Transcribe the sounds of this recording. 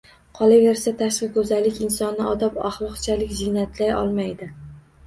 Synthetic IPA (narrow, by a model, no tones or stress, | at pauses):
qʰɒlˠave̞ɾsat̪ʰaʃqɨkʰɵzalːɪkʲɪnsɒnːɪʔɒd̪ɒpa̰χlˠɒqt͡ʃʰalɪkʲzɪnat̪ʰlajɒ̰lˠmajd̪ɪ